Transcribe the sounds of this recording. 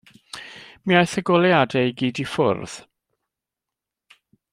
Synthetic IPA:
miajθəɡɔlˠjadɛiɡiːdifʊ̰rð̥

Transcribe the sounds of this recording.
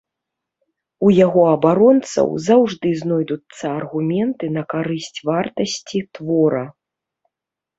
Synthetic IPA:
ujaɣɔɐbaɾɔnt̪sɐ̰wzawʐd̪ɨznɔjd̪ut̪sːɐɐrɣumʲɛnt̪ɨnɐkaɾɨsʲt͡sʲvart̪ɐsʲt͡sʲit̪vɔɾɐ

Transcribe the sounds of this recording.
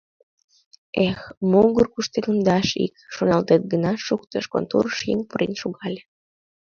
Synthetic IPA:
exmuɣərkuʃt̪elənd̪ɑʃḭkʃonɑlt̪et̪̚ɡənɑʃuk̚t̪əʃko̰nt̪urəʃjiŋpuɾenʃuɣɑlʲe

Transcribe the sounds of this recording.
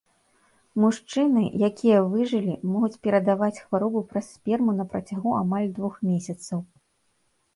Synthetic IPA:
muʂt͡ʂɨnɨ̰jakʲʰijɐvɨʐɨlʲimɔɣut͡sʲpʲɛɾɐd̪avat͡sʲxvaɾɔbupɾɐsːʲpʲɛrmunɐpɾɐt͡sʲaɣuamalʲd̪vuxmʲesʲɐt̪sɐw

